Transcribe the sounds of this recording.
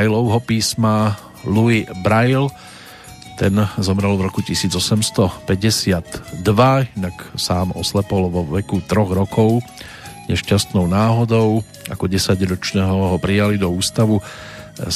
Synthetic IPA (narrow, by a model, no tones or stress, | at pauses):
jlɔʊɦɔpiːsma | luibɾajl | t̪ɛnzɔmɾɛlvɾɔkucisiːd͡zɔsɛmst̪ɔpɛɟɛsɪad̪d̪ʋainaksaːmɔslɛpɔlʋɔʋɛkut̪ɾɔɣɾɔkʰɔʊ | ɲɛʃcast̪nɔʊnaːɦɔd̪ɔʊ | akɔɟɛsaɟɾɔt͡ʃnɛːɦɔɦɔpɾijalid̪ɔuːst̪aʋu